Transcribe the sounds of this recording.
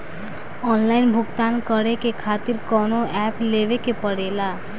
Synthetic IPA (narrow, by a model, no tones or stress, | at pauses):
ɔnlainbʱʊɡt̪ankəɽekekʰat̪iɾkɔnoɛpleʋekepəɽela